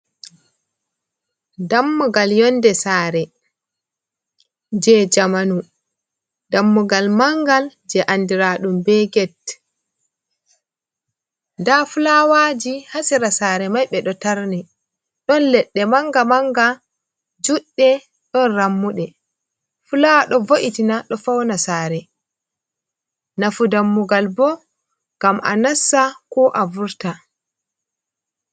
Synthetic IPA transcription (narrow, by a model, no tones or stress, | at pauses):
damːɔɡaljɔndɛsaːɾɛ | d͡ʒɛd͡ʒamanu | damːɔɡalmaŋɡald͡ʒɛʔandiɾaːɗumbɛɡɛt | ndafulawad͡ʒihasiɾasaːɾɛmajɓɛɗɔtaɾni | ɗɔnlɛɗːɛmaŋɡamaŋɡa | d͡ʒuɗːɛ | ɗɔnramːuɗɛ | fulaɗɔvoʔitinaɗɔfawnasaɾɛ | nafudamːuɡalbɔ | ɡ̥amʔa̰nasːakɔʔavuɾta